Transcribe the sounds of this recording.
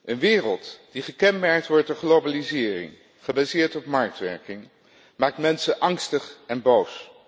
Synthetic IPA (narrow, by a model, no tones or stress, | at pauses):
ʔənʋɪːrəlˠtd̥iχəkɛnmɛɹk̚tʋɔɹt̚dɔχlowbalizɪːrɪ̰ŋ | χəbaːzɪːɹtɔpmɑɹk̚tʋɛ̰ɹkɪŋ | maːk̚tmɛnsəʔɑŋstəχɛnbows